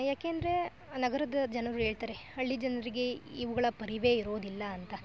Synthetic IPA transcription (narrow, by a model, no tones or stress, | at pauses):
jaːkeːnd̪ɐɾe̞ | nɐɡɐɾɐd̪ɐd͡ʒɐnɐɾuɦe̞ːɭt̪aːɾe̞ɐɭːid͡ʒɐnɐɐɾiɡe̞iʋuɡɐɭɐpɐɾiʋe̞ːiɾo̞ːd̪ilːɐːnt̪ɐ